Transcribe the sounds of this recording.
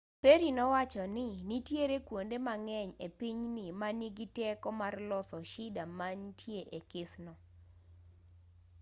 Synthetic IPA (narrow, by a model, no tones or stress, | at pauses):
peɾinɔwat͡ʃɔnɪnitjeɾekwondemaŋɛɲepiɲnɪmaniɡɪtɛkɔmarlɔsɔʃɪdamantʰjeʔekɪsnɔ